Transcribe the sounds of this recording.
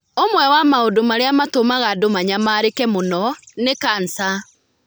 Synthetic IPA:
omwɛwamaodomaɾeamatomaɣadomaɲamaːɾekɛmonɔnekansa

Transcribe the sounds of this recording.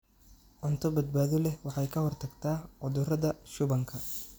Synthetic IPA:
ʕʊnt̪ʰɔbɐd̪̚baːðɔlɛwɑħɑjkʰɐhɔrt̪ʰɐɡt̪ʰaːʕʊðʊrɐðɐʃʊβɐŋkʰɐ

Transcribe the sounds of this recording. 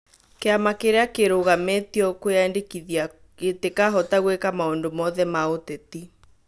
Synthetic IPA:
keamakeɾeakeɾoɣametiɔkojaendekiðia | etekaɦɔtaɣwekamaondomɔðɛmaoteti

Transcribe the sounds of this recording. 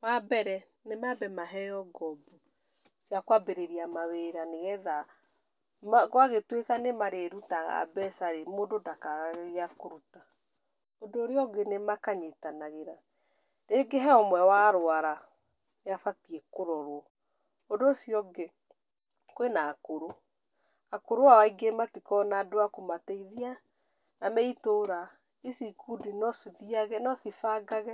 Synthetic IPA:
wabɛɾɛ | nemabɛmaɦɛjɔɡɔbɔ | jakwabeɾeɾiamaweɾaneɣɛða | maɣwaɣetwekanemaɾeɾutaɣa̰bɛsaɾemoːndodakaɣaɣeɣeakoɾuta | odoːɾeɔɡenemakaɲetanaɣeɾa | ɾeɡeɦɛɔmwɛwaɾoaɾa | eafatiɛkoɾɔɾwɔ | odoːsiɔɡe | kwenaːkoɾo | akoɾoawaiɡematikɔnaːdoakomateiðia | namɛitoɾa | esikudinɔsiðiaɣɛnɔsifaɡaɣɛ

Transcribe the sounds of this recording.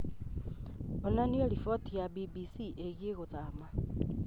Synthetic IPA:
onaniolifotijabibisiʔeɣieɣoðaːma

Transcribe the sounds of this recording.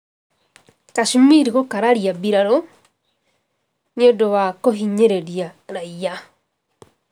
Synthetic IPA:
kaʃumiɾikokaɾaɾiabiɾaɾo | niodoβakoɦiɲeɾeɾiaɾaja

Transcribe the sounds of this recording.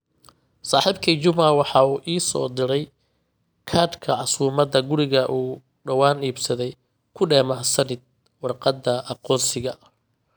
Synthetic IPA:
saːħiːbkʰiːt͡ʃʊmawɑħɑːuːʔiːsɔ̰ːd̪ɪɾɛj | kʰaːd̪kʰɐʕɑsuːmɐd̪ɐɡʊɾɪɣɐʔuː | ɖɐwaːniːbsɐðɛj | kʰʊɖɛːmɐsɐnɪd̪̚ | wɑrqɑd̪ːɐʔɑqɔːnsɪɣɐ

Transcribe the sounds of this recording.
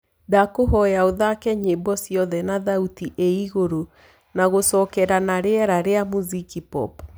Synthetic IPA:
dakoɦɔjaoðakɛɲebɔsiɔðɛnaðautiʔeiɣoɾo | naɣosɔːkɛɾanaɾeɛɾaɾeamuzikipɔ̰p

